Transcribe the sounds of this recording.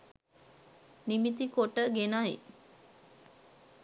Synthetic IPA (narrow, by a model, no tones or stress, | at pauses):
nimit̪ikoʈəɡenajḭ